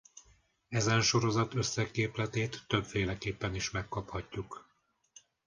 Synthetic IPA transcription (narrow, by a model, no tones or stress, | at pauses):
ɛzɛnʃo̞ɾo̞zɒt̪øsːɛkeːplɛt̪eːt̪ːøbfeːlɛkeːpːɛniʃmɛkːɒphɒcːuk